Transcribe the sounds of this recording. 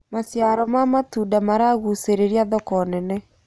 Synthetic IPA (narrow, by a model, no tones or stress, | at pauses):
masjaɾɔmamatudamaɾaɣuseɾeɾiaðɔkɔnɛnɛ